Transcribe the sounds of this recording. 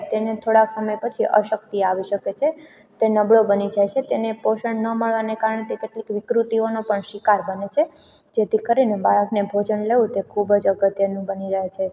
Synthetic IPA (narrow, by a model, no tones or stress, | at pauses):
t̪enet̪ʰoɽaksəməjpət͡ʃʰiʔə̰ʃək̚t̪iaʋiʃəket͡ʃʰe | t̪enəbɭobənid͡ʒajt͡ʃʰet̪enepoʃəɳnːəməɭʋanekaɾəɳet̪ekeʈlikʋɪkɾut̪ionopəɳʃikaɾbənet͡ʃʰed͡ʒet̪ikəɾinebaɭəknebʱod͡ʒənleʋũt̪ekʰubd͡ʒəɡət̪jənũbəniɾəɦet͡ʃʰe